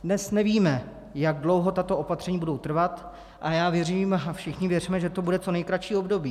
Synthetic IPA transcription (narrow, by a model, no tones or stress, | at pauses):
dnɛsnɛviːmɛ | jaɡ̚dlo̞wɦo̞t̪at̪oʔo̞pat̪r̥ɛɲiːbudo̞wt̪r̩vat̪ | ʔajaːvjɛriːmafʃɪxɲɪvjɛrimɛʒɛt̪o̞budɛt͡so̞nɛjkɾaʃiːo̞bdo̞biː